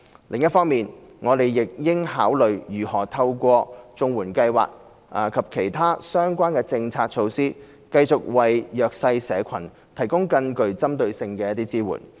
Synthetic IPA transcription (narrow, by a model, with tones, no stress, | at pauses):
lɪ̰˨ŋjɐ˥t̚fɔː˥ŋmiː˨nŋɔː˨˧t̪e˨jːɪ˨k̚jɪ˥ŋɦaː˨˥wlɵ˨ɥjyː˨˩hɔː˨˩t̪ʰɐ˧wkʷɔː˧t͡sʊ˧ŋwuː˨˩nkɐ˧jwa̰ː˨k̚ | aː˨˩kʰɐ˨p̚kʰe˨˩jt̪ʰaː˥sœː˥ŋkʷaː˥nkɛː˧t͡sɪ˧ŋt͡sʰaː˧t̚t͡ʃʰo˧wsiː˥ | kɐ˧jt͡sʊ˨k̚wɐ˨˩jjœː˨k̚sɐ˧jsɛː˨˧kʷʰɐ˨˩n | t̪ʰɐ˨˩jkʊ˥ŋkɐ˧ŋkɵ˨˧ɥt͡sɐ˥mt̪ɵ˧ɥsɪ˧ŋkɛː˧jɐ˥t̪iː˥t͡siː˥wṵ˨˩n